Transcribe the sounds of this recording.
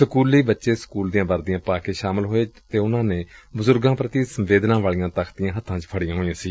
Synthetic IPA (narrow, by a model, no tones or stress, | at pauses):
səkuːliːbətːʃeːsə̥kuːld̪ijãːbəɾd̪ɪjãːpaːkeːʃaːmɪlɦoːeːt̪eːʊnãːneːbʊzʊɾɡãːpɾət̪iːsəmʋeːd̪nãːʋaːlijãːt̪əkʰt̪ɪjãːɦət̪ʰːãːt͡ʃpʰəɽɪjãːɦoːãːsiː